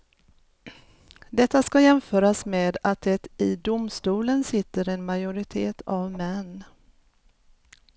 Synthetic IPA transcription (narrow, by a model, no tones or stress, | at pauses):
d̪ɛt̪ːaskajɛmfœːɾasmeːd̪at̪̚d̪ɛt̪ɪd̪ʊmst̪uːlənsɪt̪ːəɾɛnmajʊɾɪt̪ʰeːt̪ʰavmɛnː